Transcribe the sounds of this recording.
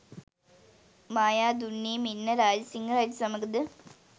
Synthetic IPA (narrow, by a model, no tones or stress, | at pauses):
maːjaːd̪unːiminːɐɾaːd͡ʑɐsiŋɡɐɾaːd͡ʑsɐmɐɡɐd̪ɨ